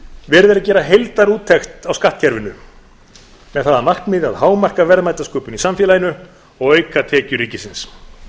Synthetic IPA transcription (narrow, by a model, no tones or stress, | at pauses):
vɛːɾðɛɾacɛːɾaɦejlt̪aɾuːt̪ʰːɛxt̪awskaht̪̚cʰɛɾvɪnʏ | mɛðθaðanahknmɪðaðɦaːwmar̥kavɛɾðmaːjt̪askœːpʏnisamfjɛːlajnʏ | ɔɣœːjkat̪ʰɛːcʏɾiːcɪsɪns